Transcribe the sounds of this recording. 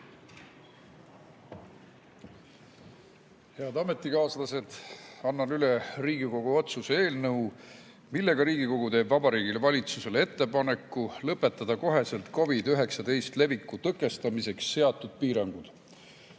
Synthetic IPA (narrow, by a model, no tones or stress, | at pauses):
he̞ɑd̪ɑme̞t̪ːˑikɑːslɑse̞d̪̥ɑnːɑnyleriːɡ̥iko̞ɡ̥uo̞t̪susee̞ːlnɤu | milːe̞ɡ̥ɑɾiːɡ̥iko̞ɡ̥ut̪e̞ːbvɑbɑɾiːɡilevɑlʲit̪suse̞le̞t̪ːe̞pɑne̞kːˑulɤpːˑe̞t̪ːˑɑd̪̥ɑko̞ɦe̞selt̪ko̞vid̪yɦe̞ksɑt̪e̞jst̪le̞vikːˑut̪ɤkːˑe̞st̪ɑmise̞ksːe̞ɑt̪ːˑud̪̥̚piːɾɑŋɡ̥ud̪̥